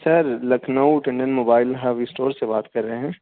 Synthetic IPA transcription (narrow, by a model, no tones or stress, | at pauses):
sɐɾlɐkʰnəuʈẽɳɖənmoːbaːɪlɦɐʋɪsʈoːɾsebaːt̪kɐɾːɐɦeɦɛ̃ː